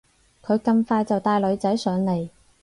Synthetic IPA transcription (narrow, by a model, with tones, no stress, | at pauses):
kʰɵ˨˧ɥkɐ˧mfaː˧jt͡sɐ˨wt̪aː˧jlɵ˨˧ɥt͡sɐ˨˥jsœː˨˧ŋle˨˧j